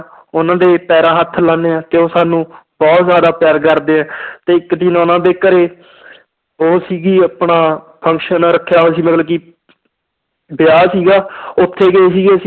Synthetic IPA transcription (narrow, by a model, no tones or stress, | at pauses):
ʊnãːd̪eːpɛːɾãːɦət̪ʰːlaːnːeːãːt̪eːoːsaːnũːbɔːt̪zjaːd̪aːpjaːɾkəɾd̪eːɛ̃ːt̪eːɪkd̪ɪnonãːd̪eːkəɾeː | oːsiːɡiːəpɳaː | pʰə̃ŋkʃənɾəkʰːjaːoːsiːmət̪ləbki | bɪjaːsiːɡaːʊt̪ʰːeːɡeeːsiːɡeːs